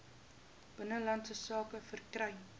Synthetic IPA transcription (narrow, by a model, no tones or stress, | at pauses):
b̥ənəlɐntsəsɑːkəfərkrɛjn